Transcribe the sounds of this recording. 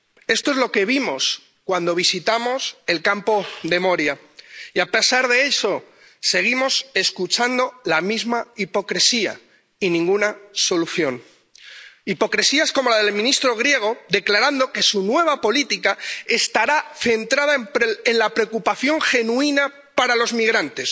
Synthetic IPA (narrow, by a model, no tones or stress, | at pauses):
e̞st̪o̞e̞zlo̞ke̞β̞imo̞s | kwand̪o̞β̞isit̪amo̞se̞lkampo̞ðe̞mo̞ɾja | iape̞saɾðe̞e̞so̞ | se̞ɣ̞imo̞se̞skut͡ʃand̪o̞lamizmaipo̞kɾe̞sia̰ | inĩŋɡunaso̞luθjo̞n | ipo̞kɾe̞siasko̞mo̞lað̞e̞lmĩnist̪ɾo̞ɣ̞ɾje̞ɣ̞o̞d̪e̞klaɾand̪o̞ke̞sunwe̞βapo̞lit̪ikae̞st̪aɾaθe̞nt̪ɾað̞apenlapɾe̞okupaθjo̞ŋxe̞nuina | paɾalo̞zmiɣ̞ɾant̪e̞s